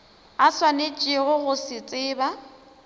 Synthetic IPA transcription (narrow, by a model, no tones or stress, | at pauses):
aswanet͡ʃʼɪɣʊɣʊsɪt͡sʼɪːba